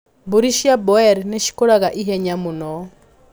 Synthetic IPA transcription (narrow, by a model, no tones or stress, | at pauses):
buɾiʃiabɔɛɾneʃi̥koɾaɣaʔiɦɛɲamunɔ